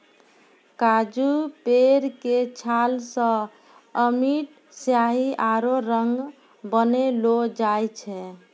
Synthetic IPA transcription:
kad͡ʒupeɾket͡ʃʰalsə̃ | əmiʈ | sjaɦiʔaɾoɾəŋɡ | bənelod͡ʒajt͡ʃʰɛ

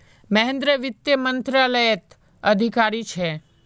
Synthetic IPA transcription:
mɐɦɛ̃nd̪ɾəʋɪt̪jəmə̃nt̪ɾaləjət̪ | əd̪ʱikaɾit͡ʃʰe

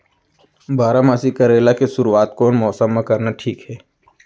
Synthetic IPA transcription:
baːɾamaːsikɐɾeːlakeʃʊɾuaːt̪̚koːnmɔːsəmːãkɐɾnaʈʰiːkɦɛː

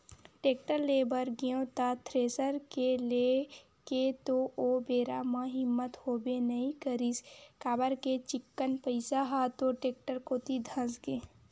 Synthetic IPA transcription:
ʈeːk̚ʈəɾleːbəɾɡijõt̪at̪ʰɾeːsəɾkele | ket̪oʔobeːɾamãɦɪmːət̪hoːbenəɦĩkəɾiskaːbəɾket͡ʃɪkːənpəɪsaɦat̪oʈeːk̚ʈəɾkoːt̪id̪ʱə̃sɡẽː

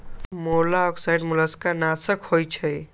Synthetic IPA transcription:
molaɔksajɖmulaskanasəkhojt͡ʃʰə

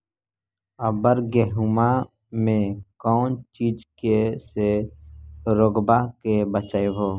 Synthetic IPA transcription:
əbəɾɡɛɦuma | mẽkɔːnt͡ʃiːd͡ʒkese | ɾoːɡbakebət͡ʃaːeɦoː

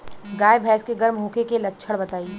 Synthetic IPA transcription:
ɡaːebʱɛːskeɡɐɾmɦũːkekelɐtːʃʰəɽbɐt̪aːi

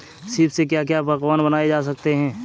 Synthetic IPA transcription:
sɪpsek̬jak̬japɐkʋaːnbənaːed͡ʒaːs̬ɐk̚t̪eɦɛ̃ː

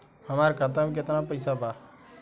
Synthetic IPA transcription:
həmaːɾekəɾt̪aːmk̬ɪt̪nãːpəɪsaːbaː

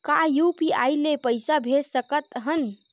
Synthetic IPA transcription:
kajupiajlepəjsabʱeɾsəkət̪ɦən

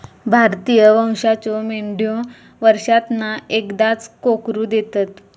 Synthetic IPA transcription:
bʱaɾt̪ijəʋə̃w̃ɕat͡ɕɔmeɳɖijõ | ʋəɾʂat̪naekd̪at͡skokɾud̪et̪at̪

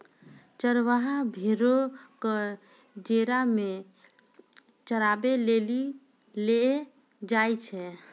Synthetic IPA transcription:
t͡ʃəɾʋaɦabʱeɾokə | d͡ʒeɾame | t͡ʃəɾabeleli | le | d͡ʒajt͡ʃʰɛ

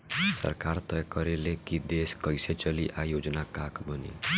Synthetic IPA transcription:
sʌ̰ɾkaɾt̪ʌjkʌɾelekid̪eskʌjset͡ʃʌliʔajod͡ʒnakakbʌnḛ

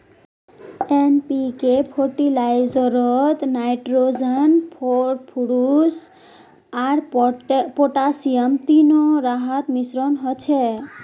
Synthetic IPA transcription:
enpikepʰɔɾʈilajzɔɾɔt̪najʈɾod͡ʒənpʰopʰuɾus | aɾ | pɔʈasijəmt̪inɔɾaɦat̪misɾɔnɦɔt͡ʃʰe

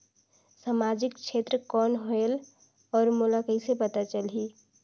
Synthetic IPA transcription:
səmad͡ʒikt͡ʃʰet̪ɾəkɔnɦoel | ɔːɾmulakəɪsepət̪at͡ʃəlɦi

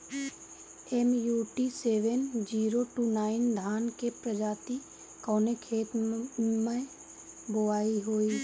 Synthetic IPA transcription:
ɛmjuːʈiseːʋənd͡ʒiːɾoʈuːnaːɪnd̪ʱaːnkepɾəd͡ʒaːt̪i | kɔːnekʰeːt̪mẽ | boʋaːiɦoːiː

